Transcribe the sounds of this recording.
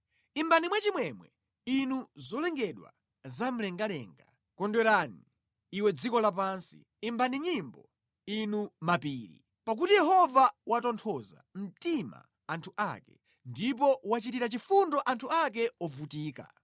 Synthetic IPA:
imbanimwɛt͡ʃimwɛmwɛ̰ | inuzɔlɛŋɡɛɗwa̰ | zam̩lɛŋɡalɛ̰ːŋɡa̰ | kɔndwɛɾaniː | wɛd͡zikɔlap̬aːnsi̥ | imbaniɲimbɔ | inumapiːɾḭ | pak̬utijɛɦɔvawatɔntʰɔza̰m̩tima̰ | antʰuʔa̰kɛ̰ | ndip̬ɔwat͡ʃitiɾat͡ʃifundɔʔantʰuak̬ɛɔvutiːka̰

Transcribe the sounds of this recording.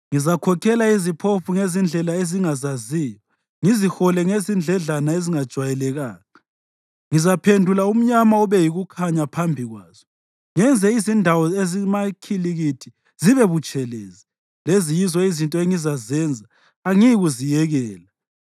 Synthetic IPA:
ŋizakʰɔkʰɛlaizipʰofuŋezind͡ɮʱɛlaeziŋazaziːjɔa | ŋizixɔlɛŋezind͡ɮʱɛɮanaeziŋad̥ʒ̥ʱwajɛlɛɣaːŋa | ŋizapʰendʱulaum̩ɲamaɔβɛjiɣukʰaɲapʰambʱiɣwaːz̥ɔ | ŋɛnd͡zʱɛizindʱawɔezimakʰiliɣitʰi | ziβɛβut͡ʃʼɛlḛzi | lezijizɔizintʼɔeŋizazɛnd͡zʱaː | ŋiɣuzijɛɣɛːla

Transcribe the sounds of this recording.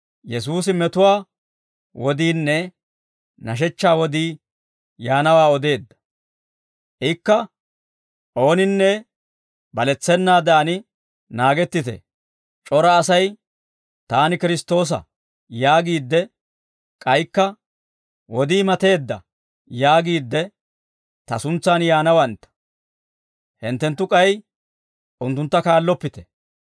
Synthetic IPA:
jɛs̬uːsɪmɛt̪ʊwaː | wɔd̪iːnːɛ | nɐʃ̬ɛt͡ʃːaːwɔd̪iː | jaːnɐwaːɔd̪e̞ːd̪ːɐ̥ | ʔɪkːɐ | ʔo̞ːnɪnːɛ | bɐlɛt͡sːɛnːaːd̪ɛʔɐnɪ | naːɡɛt̪ːɪt̪ɛ̰ | t͡ʃʼɔɾɐːsɐj | t̪aːnɪkɪɾɪst̪o̞ːs̬ɐ̰ | jaːɡiːd̪ːɛ | kʼɐjkːɐ | wɔd̪iːmɐt̪e̞ːd̪ːɐ̰ | jaːɡiːd̪ːɛ | t̪ɐsʊnt͡sːaːnjaːnɐwɐnt̪ːɐ̥ | hɪnt̪ːɛnt̪ːʊkʼɐj | ʔʊnt̪ːʊnt̪ːɐkaːlːɔpːɪt̪ɛ̥

